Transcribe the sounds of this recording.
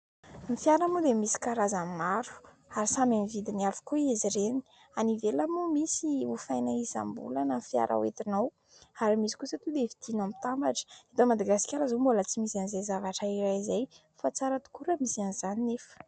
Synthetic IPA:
mifijaɾamud̪emisi̥kaɾazammaɾu̥ | aɾisamamivid̪iniafu̥koieziɾeni̥ | anivelamumisiufajnaiza̰mbṵlanənfja̰ɾʔa̰wḛt̪inaw | aɾimisi̥kusət̪ud̪evid̪̥inamit̪ambaʈ͡ʂə̥ed̪omad̪aɡasi̥kʲaɾazombolət͡simisanizajzavaʈ͡ʂaiɾajzaj | fat͡saɾət̪u̥kuɾəmisianiz̥aninefə̥

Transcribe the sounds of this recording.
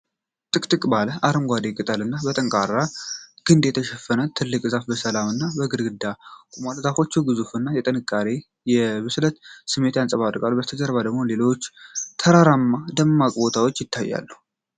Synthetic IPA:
t̪ʼɨkʼt̪ʼɨkʼbaləʔaɾɨŋɡʷad̪ekʼɨt̪ʼəlɨnːabət̪ʼəŋkʼaɾːaɡ̥ɨnd̪jɛt̪ʰəʃɛfənət̪ʰɨlːɨkʼzafbəsəlamɨnːabəɡɨɾɡɨd̪akʷʼumalt̪afo̞t͡ʃːɛwɡɨzufɨnːajɛt̪ʼənɨkʼːaɾe̞ | jɛbɨslət̪sɨmːe̞t̪jansʼəβad̪kʼalːubət̪ʰəd͡ʒəɾbad̪əɡmo̞le̞lo̞t͡ʃːt̪ʰəɾaɾamːad̪əmːakʼbo̞t̪ʰawo̞t͡ʃːjɪt̪ːajːa̰lːuh

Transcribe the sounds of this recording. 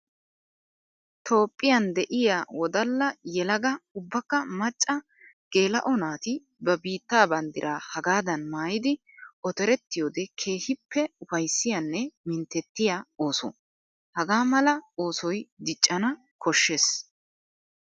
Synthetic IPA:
t̪o̞ːpʼːɪjɐnd̪ɛʔɪjaːwɔd̪ɐlːɐjɛlɐɡɐʊbːɐkːɐmɐt͡ʃʼːɐ | ɡ̥e̞ːlɐ̰ʔɔnaːt̪ɪ | bɐbiːt̪ːaːbɐnd̪ɪɾʔaːhɐɡaːd̪ɐnmaːjɪd̪ɪ | ʔɔt̪ɛɾɛt̪ːɪjoːd̪ɛkʰe̞ːhɪpʰːɛʊfɐjsːɪjɐnːɛmɪnt̪ːɛt̪ːɪjao̞ːsɔ̰ | hɐɡaːmɐlɐoːsɔjd̪ɪt͡ʃʼːɐnɐ | kʰɔʃːeːs

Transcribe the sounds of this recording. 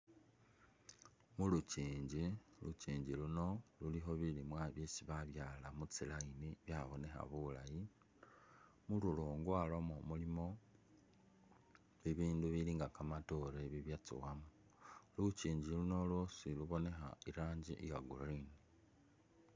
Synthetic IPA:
muluciːɲɟiluciːɲɟiluno̞lulixo̞βilimwaβjesiβaβjaːlamut͡silainiβjaβo̞ne̞xa̰βulaji | mululoːŋɡwalo̞momulimo̞ | iβiːnduβiliːŋɡakamato̞ɾeβiβjat͡sṵwamu | luciːɲɟiluno̞losiluβo̞ne̞xa̰iɾaːɲɟḭʔijaɡulini

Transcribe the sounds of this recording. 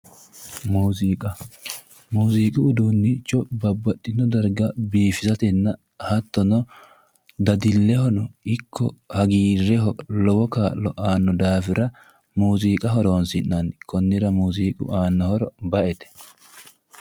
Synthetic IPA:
muːziːkʼɐ | muːziːkʼɪʊd̪uːnːɪt͡ʃːɔbɐbːɐt̪ʼːɪnːɔd̪ɐɾɡɐbiːfɪzɐt̪ɛnːɐ | hɐt̪ːɔnɔ | d̪ɐd̪ɪlːɛhɔnɔɪkʰːɔ̰hɐɡiːɾːɛɦɔlɔwɔkaːlːɔʔaːnːɔd̪aːfɪɾɐ | muːziːkʼɐɦɔɾoːnsɪnːɐnkɔnːɪɾɐmuːziːkʼʊ̰ʔaːnːɐhɔɾɔbɐʔɛt̪ɛ̥

